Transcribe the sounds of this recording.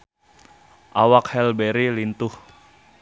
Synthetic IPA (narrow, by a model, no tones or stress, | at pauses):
ʔawakhɛlbɛɾilint̪ʊh